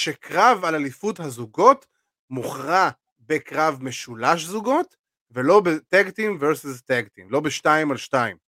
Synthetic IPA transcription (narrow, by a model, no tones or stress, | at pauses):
ʃekʁavalalifuthazuɡo̞t | muχʁa | bekʁavmeʃulaʃzuɡo̞t | velo̞betɛɡtimveʁsizt̪eɡt̪imlo̞beʃtaimalʃtaim